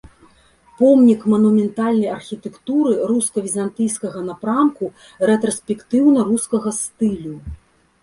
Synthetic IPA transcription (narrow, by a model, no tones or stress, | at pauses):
pɔmnʲikmɐnumʲɛnt̪alʲnɐjɐrxʲit̪ɛkt̪uɾɨruskɐvʲizant̪ɨjskɐɣɐnapɾamku | ɾɛt̪ɾɐsʲpʲɛkt̪ɨwnɐɾuskɐɣɐst̪ɨlʲu